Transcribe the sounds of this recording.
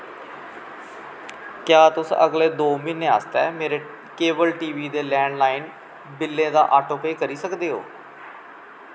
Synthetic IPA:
kjaːt̪ʊsə̰ɡleːd̪oːmɪnẽːa̰ːst̪ɛ̰ːmeːɾeː | keːʋəlʈiːʋiːd̪eːlɛ̃ːɳɖlaːin | bɪlːẽːd̪a̰ːʔaːʈoːpeːkəɾiːsəkd̪eːɦo̰ː

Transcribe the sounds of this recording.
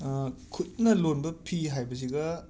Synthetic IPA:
kʰut̚nɐlonbɐpʰiɦajbɐsiɡɐ

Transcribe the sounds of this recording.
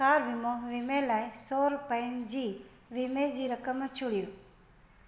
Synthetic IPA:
aːɾʋimoʋimelajsoɾpənd͡ʒi | ʋimed͡ʒiɾəkəmːə̃t͡ʃʰuɽju

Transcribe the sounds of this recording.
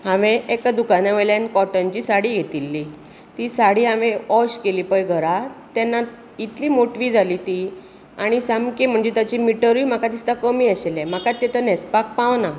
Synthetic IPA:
ɦãʋeekad̪ukanaʋəjljankɔʈənt͡ɕisaɽiːɡʱet̪ilːi | t̪isaɽiːɦãʋẽɔɕkeliːpəjɡʱəɾat̪janːa | it̪liːmoʈʋiːd͡zʱaliːt̪i | aɽ̃isamkem̤əɳd͡zet̪jat͡ɕimiʈəɾiːm̤akat̪ist̪akəmiːaɕelɛm̤akat̪ːɛt̪ənɛspak̚pãʋna

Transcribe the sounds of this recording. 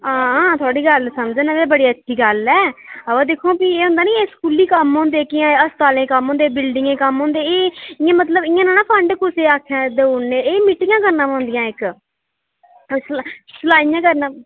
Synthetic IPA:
aːãːt̪ʰʊaːɽiːɡəlsəmd͡ʒənaːebəɽiːətːʃʰiːɡəlɛːəʋãːd̪eːkʰːõːpieːɦõːnd̪aːnĩːeːskuːliːkəmɦõːnd̪eːkɪjãːəst̪aːlẽːkəmɦõːnd̪eːbɪlɖɪŋɡẽːkəmɦõːnd̪eːeːɪjãːmət̪̬ləbɪjãːnãːnãːpʰəɳɖkʊseːaːkʰːjãːd̪euɳːeːeːmiːʈːɪjãːkəɾnãːõːnd̪ɪjãːɪk | ssəlaːijãːkəɾnãː

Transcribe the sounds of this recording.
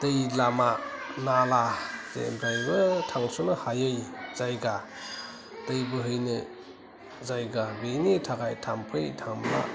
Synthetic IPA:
d̥ɯjlamanalazḛmbɾajbɯtʰaŋsonɯhajɯjz̥ajɡa | d̥ɯjbɯɦɯjnɯ | zajɡabenitʰaɡajtʰampʰɯjtʰaŋmla̰

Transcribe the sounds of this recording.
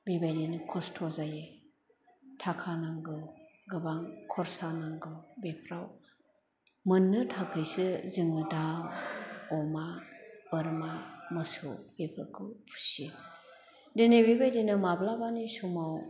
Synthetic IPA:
bibajdinɯkʰɔstʰɔzaje | tʰakʰanaŋɡɯɡɯbaŋkʰɔɾsanaŋɡɯwbepʰɾaw | mɯnːɯtʰakʰɯjsɯzɯŋɯda | ɔmabɯɾmamɯsɯ̰ɡepʰɯkʰɯpʰu̥si | denebibajdenɯmablabanisumaw

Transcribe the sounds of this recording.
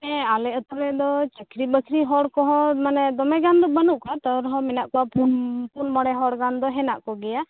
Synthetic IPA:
ɛalɛɔt̪ɔɾɛd̪ɔt͡ʃəkʰɾibəkʰɾiɦɔɽkɔɦɔ̃manɛd̪ɔmɛɡand̪ɔbənuʔkat̪əwɾɦɔ̃mɛnaʔkɔwapunpunmɔɽɛɦɔɽɡand̪ɔɦɛna̰ʔkɔɡɛja

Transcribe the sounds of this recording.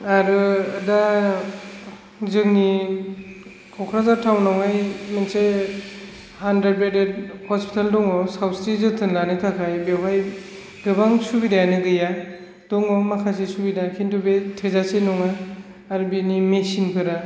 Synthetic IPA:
aɾɯda | zɯŋni | kʰɔwkʰɾazatʰawnawajmense | handɾed̚beded̚hɔspʰi̥tʰaldɔŋɔsawsɾizɯtʰɯnlanɯtʰakʰajbewɦaj | ɡɯbaŋsubidajanɯɡɯja | d̥ɔŋɔmakʰasesubidakʰintubetʰezasenɔŋaː | ɾɯbinimesinpʰɯɾa

